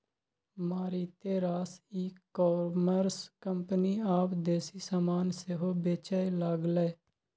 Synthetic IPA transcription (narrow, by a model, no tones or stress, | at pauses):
maːɾiːt̪eːɾaːsiːkɔːməɾskəmpniːaːpd̪eːsiːsaːmaːnseɦoːbeːt͡ʃaːilaːɡlɛː